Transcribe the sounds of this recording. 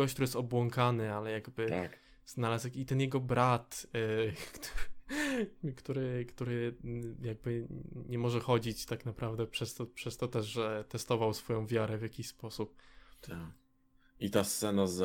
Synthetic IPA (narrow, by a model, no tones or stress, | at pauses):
ɔkt̪uɾjɛst̪ɔbwɔŋkanɘalɛjaɡbɘa | z̥nalazɛkit̪ɛnjɛɡɔbɾat̪ | kt̪uɾ | kt̪uɾɘkt̪uɾɘjaɡ̚bɘɲɛmɔʐɛxɔd͡ʑit͡ɕt̪aknapɾavd̪ɛpʂɛst̪ɔpʂɛst̪ɔt̪ɛʐɛt̪ɛst̪ɔvawsfɔjɔ̃w̃vʲjaɾɛvʲjakʲiɕspɔsup̪̚ | it̪ast̪sɛnaz